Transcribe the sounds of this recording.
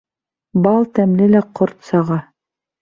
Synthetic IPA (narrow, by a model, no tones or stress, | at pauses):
bɑlˠt̪æmlɘlæqoɾt̪sɑʁɑ